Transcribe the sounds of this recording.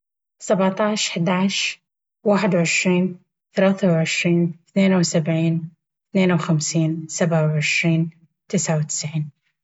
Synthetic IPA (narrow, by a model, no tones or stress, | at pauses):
sˤabʕt̪ɑʕʃħd̪aʕʃ | waːħɪd̪wʕɪʃɾiːn | θalaːθawʕɪʃɾiːnθneːnawsabʕiːn | θneːnawxamsiːnsabʕawʕɪʃɾiːn | t̪ɪsʕawt̪ɪ̥sʕiːn